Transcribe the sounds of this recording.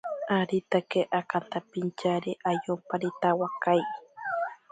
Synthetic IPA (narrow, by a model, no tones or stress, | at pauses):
aɾit̪akeʔakant̪apint͡ʃaɾeʔajompaɾit̪awakaj